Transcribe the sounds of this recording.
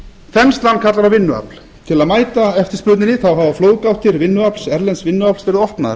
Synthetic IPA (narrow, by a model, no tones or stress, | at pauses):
θɛnst̪lanːkʰat̪laɾawvɪnːʏa̰pl | t̪ʰɪlaðmaːjt̪aɛft̪ɪɾ̥spʏt̪nɪnɪθawɦavafloːwðkawht̪ɪɾvɪnːʏapl̥sɛɾlɛnsvɪnːʏaplsvɛɾɪðɔhpnaɾ